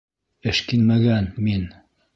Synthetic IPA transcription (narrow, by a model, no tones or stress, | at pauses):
eʃkinmɐɡanmin